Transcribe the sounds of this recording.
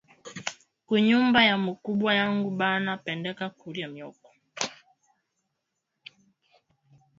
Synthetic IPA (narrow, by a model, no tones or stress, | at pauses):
kuɲumbajamukuɓwajaŋɡuɓanapɛndɛkakuɾiamjɔkɔ̥